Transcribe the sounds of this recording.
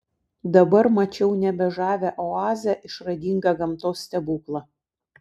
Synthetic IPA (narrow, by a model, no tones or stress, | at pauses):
d̪ɐbɐɾmɐt͡ʃʲɛʊnʲɛbʲɛʒɑːʋʲæʔɔɑːzʲɛʔɪʃɾɐd̪ʲiːŋɡɑɡɐmt̪oːsːʲt̪ʲɛbuːklˠɐ